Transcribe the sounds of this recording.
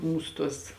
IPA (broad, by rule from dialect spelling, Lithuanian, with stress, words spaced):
ˈmuːsʊ ˈtuɔs